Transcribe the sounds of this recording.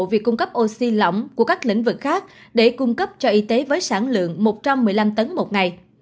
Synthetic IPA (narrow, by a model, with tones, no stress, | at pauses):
vi˨˩əkːʊ˧ŋ͡mkə˦˥p̚ʔo˧si˧lɔ̰˧˨wŋ͡mku˧˩əkaː˦˥k̚lḭ˧˩ŋ̟vɨ˨˩k̚xaː˦˥k̚ɗe˧˩kʊ˧ŋ͡mkə˦˥p̚t͡ɕɔ˧ʔi˧t̪e˨˦vəː˨˦jsaː˧˩nlɨ̰˧˨əŋmo˨˩t̚t͡ɕa˧mːɨ˨˩əjla˧mt̪ə˨˦nmo˨˩t̚ŋa˨˩j